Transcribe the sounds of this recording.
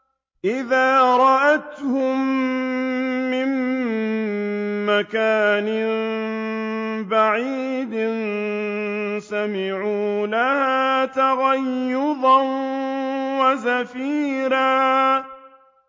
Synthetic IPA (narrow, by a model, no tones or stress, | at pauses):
ʔɪðaːɾˤɑʔat̪hʊm | ɪm | akaːnɪ | baʕiːd̪ɪn | samɪʕuːlahaːt̪aɣajːʊd̪ˤɑn | wasafiːɾaː